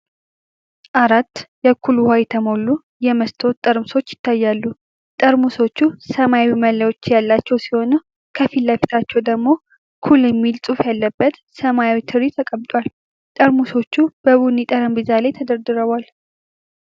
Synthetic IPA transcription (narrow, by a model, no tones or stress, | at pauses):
ʔaɾat̪ːjɛkʰːuluhajɛt̪ʰəmo̞lːu | jɛməst̪ʰo̞t̪ʼːəɾmuso̞t͡ʃːjɪ̥t̪ːajːalːu | t̪ʼəɾmuso̞t͡ʃːusəmajawiməlːajwo̞t͡ʃːjalːat͡ʃːɛwsiho̞nəw | kʰəfilːafit̪ʰat͡ʃːɛwd̪əɡmo̞ | kʰulɛmːilsʼufjalːəbːət̪ | səmajawit̪ʰɨɾit̪ʰəkʼəβt̪ʼwal | t̪ʼəɾmuso̞t͡ʃːub̥əβunit̪ʼəɾəmbizalajt̪ʰəd̪əɾd̪ɨɾəβʷal